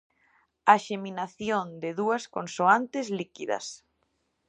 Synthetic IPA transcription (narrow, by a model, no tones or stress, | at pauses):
aʃeminaθjond̪ɪðuɐskonsoant̪ɪslikiðɐ̰s